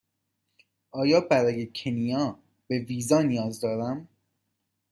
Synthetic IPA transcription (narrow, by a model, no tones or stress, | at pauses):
ʔɒːjɒːbæɾɒːjecʰenijɒː | b̥e̞viːzɒːnijɒːzd̪ɒːɾæm